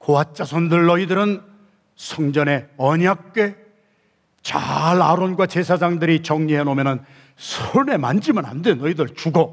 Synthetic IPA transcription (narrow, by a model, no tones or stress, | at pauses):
koat͡ɕ͈asʰondɯɭːʌidɯɾɯn | sʰʌŋd͡ʑʌne̞ʌɲak̚k͈e̞ | t͡ɕa̰ɾaɾonɡwat͡ɕe̞sʰad͡ʑaŋdɯɾit͡ɕʌŋɲiɦenomjʌnɯn | sʰone̞mand͡ʑimana̰ndenʌidɯɭt͡ɕuɡo